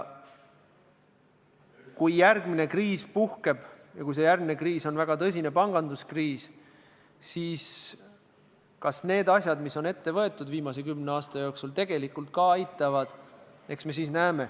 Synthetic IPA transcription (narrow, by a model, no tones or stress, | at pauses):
kujːærɡmine̞kriːspuhke̞b̥jɑkujs̬e̞jærɡmine̞kriːso̞nvæɡ̥ɑt̪ɤs̬ʲine̞pɑŋɡ̥ɑnd̪uskriːs | siːs | kɑsne̞ːd̪ɑsʲjɑd̪̥misːo̞ne̞t̪ːe̞vɤ̞e̞t̪ːˑud̪viːmɑse̞kymneɑːst̪ɑjo̞ːksult̪e̞ɡ̥e̞likːˑult̪̚kɑɑjt̪ːˑɑvɑd̪̥ | e̞ksme̞s̬iːsnæeme̞